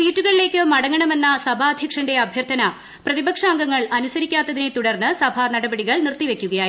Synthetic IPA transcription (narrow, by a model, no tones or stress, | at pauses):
siːtːuɣɐɭile̞ːkːɨmɐɽɐŋːɐɳɐme̞nːɐsɐbʱaːd̪ʱjɐkʂɐnde̞ɐbʱjɐrt̪ʰɐnɐ | prɐðibɐkʂaːŋɡɐŋːɐɭɐnusɐɾikʲːaːt̪ːɐðinet̪uɽɐrnːɨsɐbʱɐnɐɽɐbɐɽiɣɐɭnirt̪ːiʋe̞kʲːuɣɐjaː